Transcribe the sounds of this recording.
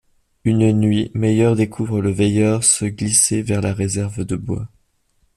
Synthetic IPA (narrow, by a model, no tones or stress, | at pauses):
ynnɥimɛjœʁd̪ekʰuvʁələvɛjœʁsəɡlisevɛʁlaʁezɛʁvd̪əbwa̰